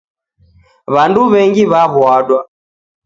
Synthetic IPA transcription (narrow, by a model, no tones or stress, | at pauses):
βanduβɛŋɡiβaβwaɗwa